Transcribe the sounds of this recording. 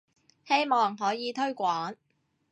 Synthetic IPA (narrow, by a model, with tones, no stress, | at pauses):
he˥jmɔː˨ŋɦɔː˨˥jiː˨t̪ʰɵ˥ɥkʷɔː˨˥n